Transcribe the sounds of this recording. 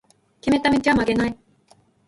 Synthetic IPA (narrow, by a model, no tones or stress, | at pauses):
kʲemet̪amet͡ɕamaɡenaj